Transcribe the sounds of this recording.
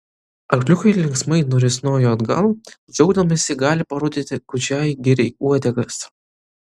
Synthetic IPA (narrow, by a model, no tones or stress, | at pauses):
ɐkʲlʲʊkɐɪlʲɪŋksmɐɪnʊɾʲɪsʲnoːjoɐd̪ɡɐ̰lˠd͡ʒʲɔʊɡd̪ɐmʲɐsʲɪɡɑːlʲɪpɐɾud̪ʲɪt̪ʲɪkʊt͡ʃʲæːjɡʲɪɾʲɛɪuɔd̪ʲɛɡɐs